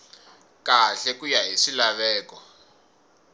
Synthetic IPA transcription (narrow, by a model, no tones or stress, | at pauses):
kaɬɛkujaɦiʂilaβɛːkɔ